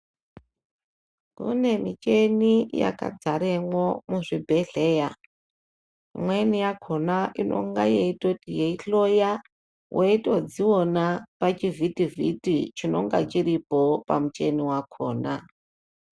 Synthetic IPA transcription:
kṵne̞mit͡ʃe̞nija̰ka̰d͡zaɾeŋwomuʐibʱeɮeja | ḭmwenijakʰonaʔinʔo̞̰ŋɡajeitotijeiɬoja | wʔeitod͡ziwonapat͡ʃivitivḭtit͡ʃino̞ŋɡa̰t͡ʃiɾipopamut͡ʃe̞niwakʰoːna

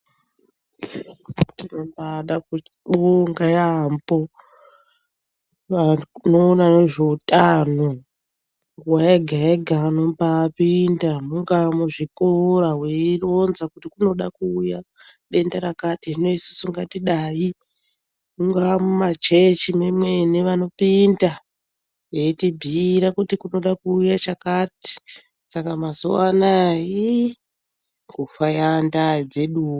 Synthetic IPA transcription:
uttinombaɗaku | ɓoŋɡajambo̞ | anoːnaneʐeutʼano | ŋwaeɡʱaeɡʱano̞mbapindamuŋɡamuʐikoɾaweironzakutikuno̞ɗakuːjaɗe̞ndaɾakatiʐino̞isi̥suŋɡatiɗaːji | muŋɡamumat͡ʃe̞t͡ʃimemweneʋano̞pinda | jetibʱiɾakutikuno̞ɗakuːjat͡ʃakati̥ | sakamazo̰wanaji | ŋɡufajandad͡ze̞ɗuː

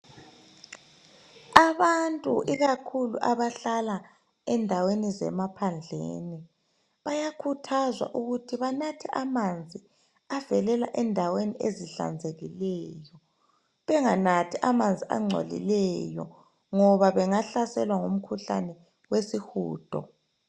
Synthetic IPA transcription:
aβantʼṵʔiɣakʰulṵʔaβaɬala | ɛndʱawenizɛ̰mapʰand͡ɮʱḛːni | βajakʰutʰazwa̰ʔuɣutʰiβanatʰiʔamand͡zʱi | avɛlɛla̰ʔɛndʱaweniʔeziɬa̰nd͡zʱeɣilɛjɔ | βɛŋanatʰiʔamand͡zʱiʔa̰ŋ͡ǀʱo̰lḭlɛjɔ̰ | ŋɔβaβɛŋaɬasɛlwaŋum̩kʰuɬa̰nɛ | wesixṵːd̥ʱɔ̰

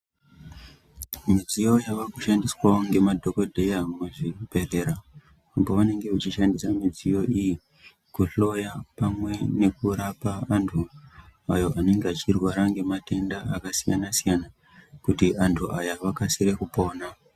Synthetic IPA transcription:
mid͡zijo̞jaʋakuʃandiswaoŋɡe̞madʱo̞ko̞dʱe̞jamweʐib̥ʱe̞re̞ɾa | mboune̞ŋɡe̞ut͡ʃiʃandisamid͡zijo̞ʔiji | kuɬo̞japamwe̞ne̞kuɾapaːntʰuajo̞ʔane̞ŋɡeat͡ʃirwaɾaŋɡe̞mate̞ndaːkasijanasijana | kutiantʰuʔajaʋakasiɾe̞kupo̞ːna

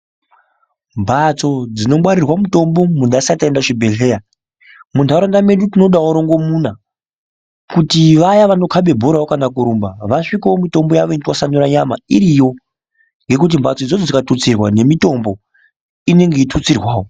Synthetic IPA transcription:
mbʱat͡so̞d͡zino̞mwaɾirwamuto̞mbo̞mundaisatendaʐibʱe̞ɬe̞ːja | muntaɾondame̞ɗutino̞ɗawuɾo̞ŋɡo̞muna | kutiʋajaʋano̞kʰaɓe̞bʱoɾawokanakuɾumbaʋaʂikaomito̞mbojaʋointiwasanuɾaɲama̰iɾijo̞ | ŋɡe̞kut̬imbʱat͡soid͡zod͡zod͡zikatut͡sirwane̞mito̞mbo̞ | ine̞ŋɡeitʰut͡sirwaːwo

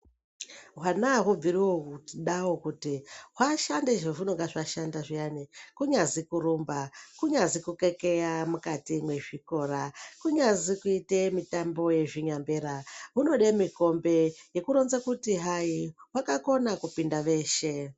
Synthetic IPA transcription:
ɦwanaɦub͡viriwouɗawo̞kutiɦwaʃandeʐeʐino̞ɡaʐaʃandaʐijanikuɲazikuɾumbakuɲazikukekejamukatimwe̞ʐiko̞ːɾakuɲazikuitemitambo̞je̞ʐiɲambeɾaɦuno̞ɗemiko̞mbe̞je̞kuɾo̞nzakutiɦaiwakako̞nakupindaʋe̞ːʃe̞

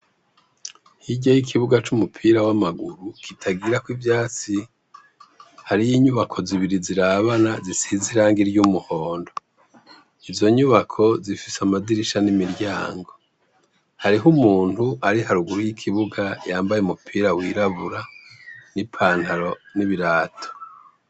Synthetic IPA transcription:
hiɟajikʰiβuɡat͡ʃumupʰiːɾawamaɡuɾukʰitʰaɡiɾakwivjaːt͡si | haɾijiːɲuβakʰo̞ziβiɾiziɾaβanazisiziɾaːŋɡiɾɟumuho̞ːndo | izo̞ɲuβakʰo̞zifisamaziɾiʃanimiɾjaːŋɡo̞ | haɾiɦumuːn̥uaɾihaɾuɡuɾujikʰiβuɡajaːmbajeumupʰiːɾawiɾaβuɾanipʰaːn̥haɾo̞niβiɾaːtʰo̥

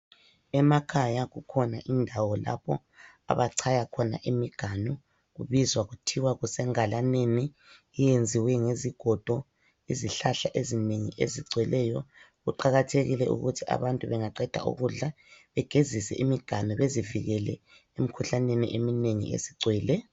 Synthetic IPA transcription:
ɛmakʰajaɣukʰɔnaʔindʱawɔla̰pɔ̰ | a̰βaǀʰajakʰɔna̰ʔimiɡ̥ʱanɔ | ɣuβizwaɣutʰiwaɣusɛŋalaneniː | jend͡zʱiwɛŋeziɡ̥ʱɔd̥ʱɔ | iziɬaɬaʔezineŋiʔḛziǀwɛlɛjɔ | ɣuǃaɣatʰeɣilɛʔṵɣutʰiʔa̰βantʼuβɛŋaǀɛd̥ʱa̰ʔṵɣuɮa | βɛɡ̥ʱezisɛ̰ʔimiɡ̥ʱanɔβeziviɣɛlɛ̰ | emikʰuɬanenḭʔemineŋḭḛziǀwɛːlɛ

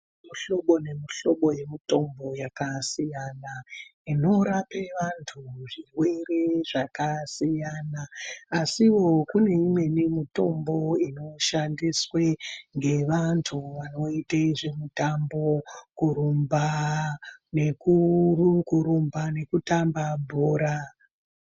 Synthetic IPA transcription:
muɬo̞ɓo̞ne̞miɬo̞ɓo̞je̞mito̞mbo̞jakasijanaino̞ɾapeʋantʰuʐiwe̞re̞ʐakasijanaːsiwo̞kune̞imwe̞nimito̞mbo̞ino̞ʃandisweŋɡe̞ʋantʰuʋano̞itaiʐe̞mutambokuɾumba | ne̞kurukuɾumbane̞kutambabʱoːɾa

